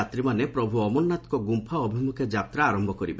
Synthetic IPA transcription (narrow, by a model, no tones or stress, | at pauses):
at̪ɾimanepɾɔbʱuɔmɔnːat̪ɔkɔɡumpʰaɔbʱimukʰed͡ʒap̚t̪ɾaːɾɔmbʱɔkɔɾibe